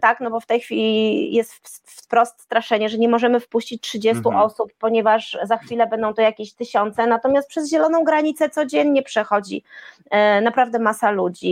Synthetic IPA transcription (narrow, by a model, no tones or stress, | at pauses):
t̪aknɔbɔft̪ɛjxfʲilʲijɛst̪ | fpɾɔst̪st̪ɾaʂɛɲɛʐɛɲɛmɔʐɛmɘfpuɕt͡ɕit͡ɕʲtʂɘd͡ʑɛst̪uʔɔsupːɔɲɛvaʂzaxfʲilɛbɛnd̪ɔ̃w̃t̪ɔjakʲeɕt̪ɘɕɔnt̪sɛnat̪ɔmʲast̪̚pʂɛzʑɛlɔnɔ̃w̃ɡɾaɲit̪sɛt̪sɔd͡ʑɛɲɲɛpʂɛxɔd͡ʑḭ | napɾavd̪ɛmasalud͡ʑi